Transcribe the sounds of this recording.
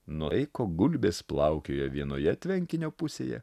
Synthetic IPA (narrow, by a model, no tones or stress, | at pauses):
nʊɛɪkoːɡʊlʲbʲeːsplˠɑʊkʲoːjɛʋʲiɛnoːjɛt̪ʲʋʲɛŋʲkʲɪnʲoːpʊsʲḛːjɛ̰